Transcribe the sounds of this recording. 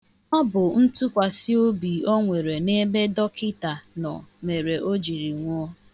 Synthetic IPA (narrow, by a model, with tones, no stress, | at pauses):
ŋɔ˦bʊ˨n̩˦tu˦kʷa˨si˦o˦bi˨o˦ŋʷe˨ɾe˨ne˦me˦dɔ˦kɪ˦ta˨nɔ̰˨me˨ɾe˨ʔo˦d͡ʒi˨ɾi˨ŋʷʊ˦